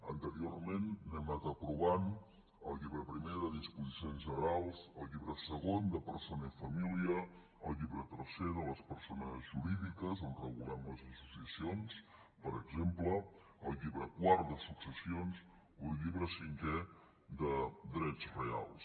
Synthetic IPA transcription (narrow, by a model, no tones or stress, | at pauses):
ənt̪əɾiormenːɛmət̪əpɾuβ̞an | əlˠʎiβɾəpɾimeðəðispuzisionzʒənəɾalˠsəlˠʎiβɾəsəɣond̪əpəɾsonəifəmiliəː | lˠʎiβɾət̪əɾseðələspəɾsonəzʒuɾiðikəzonrəɣulɛmləzəsusiəsions | pəɾəɡzempləː | lˠʎiβɾəkwaɾt̪d̪əsuksəsions | oəlˠʎiβɾəsiŋkɛ | d̪əd̪ɾɛd͡zrea̰lˠs